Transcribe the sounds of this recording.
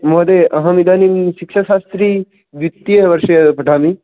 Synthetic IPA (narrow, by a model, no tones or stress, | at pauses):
moːd̪eʔɐɦɐmid̪ʱaːnimʃikʃaʃaːst̪ɾi | ʋjut̪ːijɐʋɐɾʃɐjɐpɐʈʰaːmi